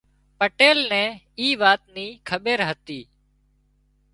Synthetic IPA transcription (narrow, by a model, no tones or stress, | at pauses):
pəʈeːlnɛ̃ː | iːʋaːt̪niːkʰəɓeːɾɦət̪iː